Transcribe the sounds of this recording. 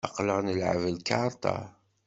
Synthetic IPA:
əqləʁnəlʕəvəlkaɾˤt̪ˤɑ̰

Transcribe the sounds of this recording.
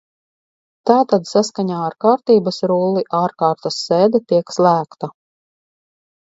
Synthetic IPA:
t̪aːt̪ad̪saskaɲaːaɾkaːɾt̪iːbasɾulˠːiʔaːɾkaːɾt̪asːeːd̪ɛt̪iɛkslˠæːkt̪a

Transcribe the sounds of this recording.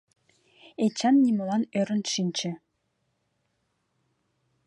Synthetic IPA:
et͡ɕɑnːimolɑnøɾə̆nʃinʲt͡ɕĕ

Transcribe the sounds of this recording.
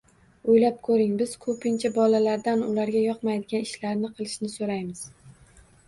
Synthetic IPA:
ojlap̚kʰɵɾɪŋbɪz̥kʰɵpʰɪnt͡ʃʰabɒlalaɾd̪anʊlaɾɡʲajɒqmajd̪ɪɡʲanɪʃlaɾnɪqʰɨlˠɪʃnɪsoɾajmɪz̥

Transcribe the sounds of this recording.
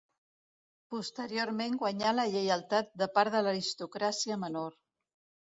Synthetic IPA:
pust̪əɾioɾmeŋɡwəɲaləʎəjəlˠt̪at̪̚d̪əpaɾðələɾist̪ukɾasiəmənoɾ

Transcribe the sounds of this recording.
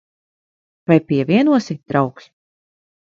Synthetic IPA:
vajpʲiɛviɛnuɔsid̪̥ɾawks

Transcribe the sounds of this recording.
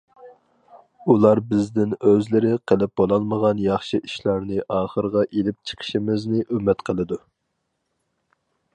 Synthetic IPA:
ulˠɑɾbɪzd̪ɪnøzlɪɾɪqʰəlˠɪp̚bolˠɑlˠməʁɑnjɑχʃiʔiʃlˠɑɾnɨʔɑːχəɾʁɑʔelɪp̚t͡ʃʰə̥qʰə̥ʃimɪznɪʔymɛt̪qʰəlˠɨd̪u

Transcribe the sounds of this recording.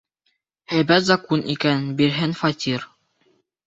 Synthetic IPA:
hæjbæt̪zɑkunʔikænbiɾɦɘnfɑt̪ʲiɾ

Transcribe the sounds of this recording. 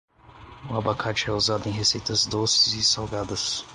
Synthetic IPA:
ʊabakʰat͡ʃɪɛuzad̪ʊẽɦesejt̪ɐzd̪osɪ̥zɪsawɡad̪ɐs

